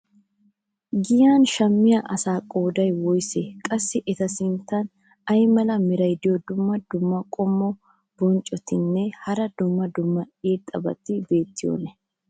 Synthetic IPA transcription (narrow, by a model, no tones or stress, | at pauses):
ɡɪjaːnʃɐmːɪjaʔɐsaːkʼo̞ːd̪ɐjwɔjsɛkʼɐsːɪʔɛt̪ɐsɪnt̪ːɐn | ɐjmɐlɐmɪɾɐjd̪ɪjɔd̪ʊmːɐd̪ʊmːɐkʼɔmːɔ | b̥ɔnt͡ʃʼɔt̪ɪnːɛhɐɾɐd̪ʊmːɐd̪ʊmːɐeːt̪ʼːɐbɐ̰t̪ːɪbe̞ːt̪ːɪjo̰ːnɛ